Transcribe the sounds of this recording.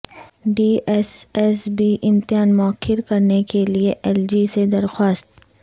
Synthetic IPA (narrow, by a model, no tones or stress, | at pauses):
ɖiːɛsɛsbiʔɪmt̪ɪjaːnmʊəkʰːɪɾkɐɾnekelieʔɛld͡ʒised̪ɐɾxwaːst̪̚